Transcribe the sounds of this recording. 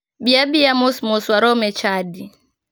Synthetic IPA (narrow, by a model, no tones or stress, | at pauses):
biabijamusmuswaɾɔmɛt͡ʃadi